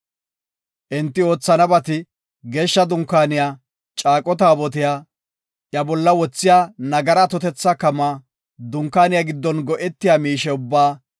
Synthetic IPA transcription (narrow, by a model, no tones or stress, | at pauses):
ʔɪnt̪ːɪo̞ːt͡sːɐnɐbɐt̪ɪ | ɡe̞ːʃːɐd̪ʊŋkːaːnɪjaː | t͡ʃʼaːkʼːɔt̪aːbɔt̪ɪjaː | ʔjɐbɔlːɐwɔt͡sːɪjaːnɐɡɐɾɐt̪ɔt̪ɛt͡sːɐkɐmaː | d̪ʊŋkːaːnɪjaɡɪd̪ːɔnɡɔʔɛt̪ːɪjaːmiːʃɛʊbːaː